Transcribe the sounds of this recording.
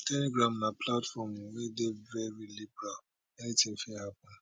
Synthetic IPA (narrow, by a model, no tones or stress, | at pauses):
tʰɛliɡɹãmnapʰlatfɔmwedevɛɹilibɛɹa | ɛnitĩn̩fɛhapɔ̃n